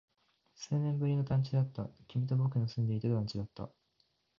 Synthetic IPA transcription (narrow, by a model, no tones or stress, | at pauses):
se̞ːnẽ̞mbɯ̟ɾʲino̞t̪ãɲ̟t͡ɕid̪at̪ːakʲimʲit̪obokɯ̟nosɨ̃nd̪e̞it̪ed̪d̪ãɲ̟t͡ɕid̪at̪ːa̰